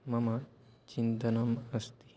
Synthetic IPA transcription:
mɐma | t͡ʃint̪ɐnɐmɐst̪i̥

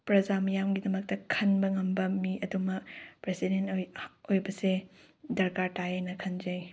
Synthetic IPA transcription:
pɾɐzamɐjamɡidɐmɐk̚tɐkʰɐnbɐŋɐmbɐmiʔɐdumɐpɾesidentjojbɐse | dɐɾkaɾtajajnɐkʰɐnd͡ʒɐj

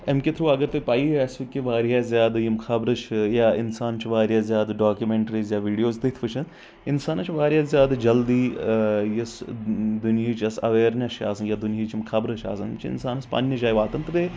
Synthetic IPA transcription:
emkʲɪt̪ʰɾuːɐɡəɾt̪epaːiɛsʋikːiʋaːɾjaːzʲjaːd̪jimkʰɐbɾɨt͡ʃʰjaːɪ̰nsaːnt͡ʃʰiʋaːɾjaːzʲjaːd̪ɖaːkjumeɳʈɾiːzjaːʋiːɖijoːzt̪it̪ʰʋɨt͡ʃʰɐn | ɪnsaːnt͡ʃʰiʋaːɾjaːzjaːd̪d͡ʒɐld̪iːjɐsd̪unjiːt͡ʃɐsɐ̰ʋeːɾnɐʃa̰ːsɐnjaːd̪unjiːt͡ʃimkʰɐbɾɐt͡ʃʰa̰ːsɐnmt͡ʃʰiɪ̰nsaːnɐspɐ̰ːnːɐd͡ʒaːjʋaːt̪ɐnt̪ɨt̪e

